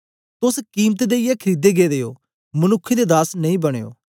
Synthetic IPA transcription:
t̪ʊskiːmt̪d̪eːijɛkʰəɾiːd̪eɡeːd̪eːjo̰ː | mənʊkʰːed̪ed̪aːsnɐĩːbɐɽ̃ḛːo̰ː

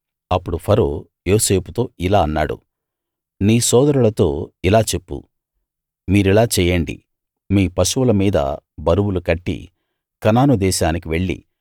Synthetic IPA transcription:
ɐpːuɽupʰɐɾoː | joːse̞ːput̪o̞ːilaːɐnːaːɽṵ | niːsɔːd̪ɐɾulɐt̪o̞̰ːilaːt͡ʃe̞pːṵ | miːɾilaːt͡ʃɛːjɐɳɖḭ | miːpɐʃuʋulɐmiːd̪ɐ̰bɐɾuwulukɐʈːḭ | kɐnaːnud̪ɛːʃaːnikiʋe̞ɭːḭ

